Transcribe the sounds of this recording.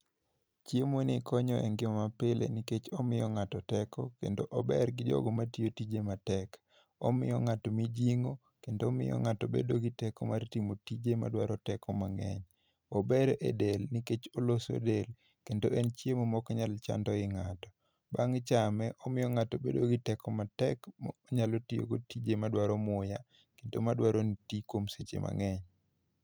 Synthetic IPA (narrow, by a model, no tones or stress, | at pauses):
t͡ʃjemonikʰɔɲɔʔɛŋɡɪmamapɪlḛniket͡ʃɔmɪjɔŋatɔtɛkɔkḛndoʔɔbɛɾɡɪd͡ʒɔ̰ɡɔmatiotid͡ʒematɛk | ɔ̰mɪ̰jɔŋatɔmid͡ʒiŋo | kendomɪ̰jɔ̰ŋatobḛdoɡɪtɛkɔmartimotid͡ʒema̰dwaɾɔtɛkʰɔmaŋɛ̰ɲ | obeɾʔḛdelniket͡ʃoloso̰del | kendoɛnt͡ʃjemɔmɔkɲalt͡ʃa̰ndɔɪŋatɔ̥ | baŋt͡ʃamɛʔɔmɪjɔŋatobḛdoɡɪtɛkɔmatɛkmɲalotijo̰ɡotid͡ʒemadwaɾɔmʊja | kendomadwaɾonitikwomset͡ʃḛma̰ŋɛɲ